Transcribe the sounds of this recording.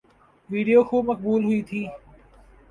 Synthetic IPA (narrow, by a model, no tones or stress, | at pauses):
ʋiːɖijoːxuːmək̚buːlɦʊit̪ʰiː